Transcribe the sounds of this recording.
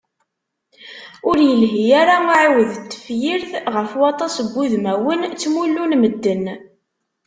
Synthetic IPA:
ʊɾjəlɦijæɾamiʕiwəðt̪ːə̥fjiɾθʁəfwɑt̪ˤɑsəbːuðmæwənt͡sːmulːunməd̪ːən

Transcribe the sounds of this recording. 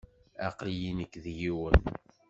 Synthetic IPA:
æqljinəkːðjiwən

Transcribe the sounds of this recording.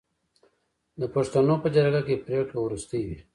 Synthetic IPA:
d̪əpaʂt̪anopəd͡ʒaɾɡakepɾekawɾust̪əjwi

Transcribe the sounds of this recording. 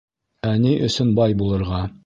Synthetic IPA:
æniʔɵ̰̆sɵnbɒjbulˠɤ̆ɾʁɑ

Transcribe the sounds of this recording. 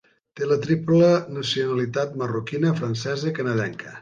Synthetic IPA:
t̪elət̪ɾiplənəsiunəlit̪at̪mərukinəfɾənsɛzəkənəðɛŋkə

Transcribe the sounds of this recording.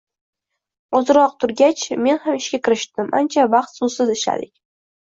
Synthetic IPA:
ɒzɨɾɒq̚t̪ʰʊɾɡʲat͡ʃme̞nhamɪʃkʲakʲʰɪɾɪʃt̪ɪma̰nt͡ʃʰavaqt̪sʊsɪzɪʃla̰d̪ɪkʲ

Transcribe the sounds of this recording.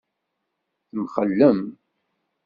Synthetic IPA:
θəmχəlːəm

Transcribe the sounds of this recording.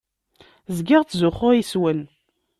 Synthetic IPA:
zɡɪʁt͡sːzʊχʊʁiswən

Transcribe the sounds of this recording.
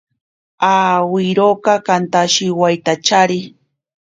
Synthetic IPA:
awɪɾokɑkant̪aʃɪwajt̪at͡ʃaɾɪ

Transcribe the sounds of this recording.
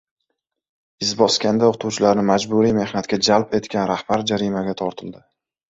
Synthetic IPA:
ɪzbɒskʲand̪aoqt̪ʰuwt͡ʃʰɪlaɾnɪmad͡ʒbuɾijme̞hnat̪̚kʲad͡ʒalpe̞t̪kʲʰanɾahb̥aɾd͡ʒaɾimaɡʲat̪ʰɒɾt̪ʰɪld̪ɪ

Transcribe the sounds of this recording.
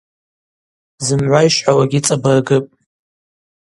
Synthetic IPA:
zɨmʕʷaiʃħawaɡʲɪt͡sʼabɨrɡɨpʼ

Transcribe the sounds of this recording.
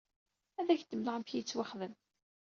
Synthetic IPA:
æðæçd̪əmlʁəmfçit͡sːwaχðəm

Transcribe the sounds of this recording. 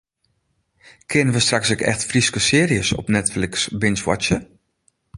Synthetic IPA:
kʰɪnəʋəstraksɪkɛ̰xtfriskəsɪːɾiəsɔ̰pnɛtflɪksbɪnswa̰tsjə

